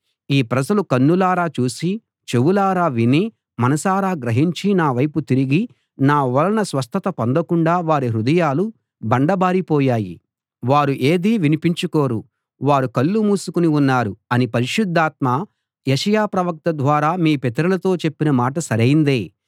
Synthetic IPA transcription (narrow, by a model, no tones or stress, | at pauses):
iːpɾɐd͡ʒɐlukɐnːulaːɾaːt͡ʃuːsi | t͡ʃe̞ʋulaːɾaːʋini | mɐnɐsaːɾaːɡɾɐɦiɲt͡ʃinaːʋɐjput̪iɾiɡi | naːʋɐlɐnɐsʋɐst̪ʰɐt̪ɐpond̪ɐkuɳɖaːʋaːɾiɾud̪ɐjaːlu | bɐɳɖɐbaːɾipɔːjaːjḭ | ʋaːɾuʔe̞ːd̪iːʋinipiɲt͡ʃuko̞ːɾu | ʋaːɾukɐlːumuːsukuniunːaːɾuɐnipɐɾiʃud̪ʱːaːt̪̚maː | jeʃɐjaːpɾɐʋɐk̚t̪ɐd̪ʋaːɾaːmiːpɛt̪ɐɾulɐt̪o̞ːt͡ʃe̞pːinɐmaːʈɐsɐɾɐjind̪eː